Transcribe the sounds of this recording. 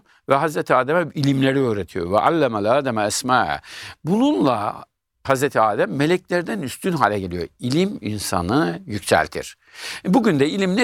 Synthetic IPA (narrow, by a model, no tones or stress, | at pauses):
vɛɦazɾet̪ʰiaːd̪æmɛilʲimlʲe̞ɾiøːɾet̪ʰijo̰vɛʔa̰lʲːæmalaːd̪æmaːsma̰ːbununlˠa̰ | hazɾet̪ʰiaːd̪æmːe̞lʲɛclʲæɾd̪ænyst̪ʰynɦaːlʲɛɟe̞lijo̰ilʲiminsa̰nɯjycsæ̰lʲt̪ʰḭɾ̥ | buɟynd̪ɛilʲimnɛ